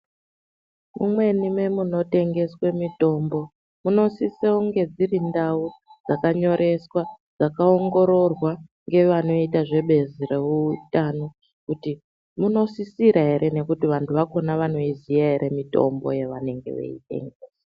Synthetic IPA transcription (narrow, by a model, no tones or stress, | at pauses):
mumwe̞nime̞muno̞te̞ŋɡe̞swe̞mito̞mbo̞ | muno̞siseuŋɡe̞d͡zirindaud͡zakaɲo̞ɾʔe̞swa | d͡zakaoŋɡo̞ɾo̞rwa | ŋɡe̞ʋano̞itaʐe̞ɓe̞zire̞ʋuːtano | kuti | muno̞sisiɾaɦe̞ɾe̞ne̞kutiʋantʰuʋako̞naʋano̞izijaɦeɾe̞mito̞̰mbo̰je̞ʋane̞ŋɡe̞̰ʋḛite̞̰ŋɡeːsa